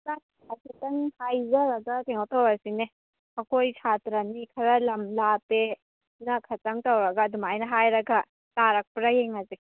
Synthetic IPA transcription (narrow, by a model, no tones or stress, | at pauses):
la | ɐkʰitɐŋhajzɐɾɐɡɐteŋowtɐwɾasine | ɐkʰojsʰatɾɐnikʰɐɾɐlɐmlape | nɐkʰɐtɐŋtɐwɾɐɡɐdumajnɐɦajɾɐɡɐ | taɾɐk̚pɾɐjeŋɐzi